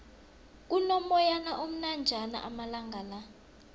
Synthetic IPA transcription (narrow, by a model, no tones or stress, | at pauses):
k̬ʼunɔmɔjanaʔom̩nand͡ʒʱana̰ʔamalaŋɡʱala